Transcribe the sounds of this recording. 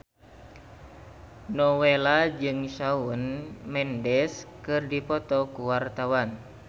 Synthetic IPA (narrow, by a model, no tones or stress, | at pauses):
nɔwelad͡ʒɨŋʃaunmɛndɛskɨrdipɔt̪ɔkuwart̪awan